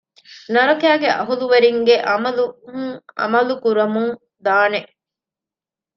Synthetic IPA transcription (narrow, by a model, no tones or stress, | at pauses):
nɐɾɐkæːɡeʔɐɦuluʋɐɾiŋɡeʔɐmɐlu | ɐ̰mɐlukuɾɐmuŋ | d̪aːneʔ